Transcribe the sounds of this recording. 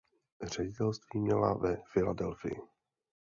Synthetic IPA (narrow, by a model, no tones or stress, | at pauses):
r̝̥ɛɟɪt̪ɛlst̪viːmɲɛla̰vɛfɪladɛlfɪ̰jɪ̰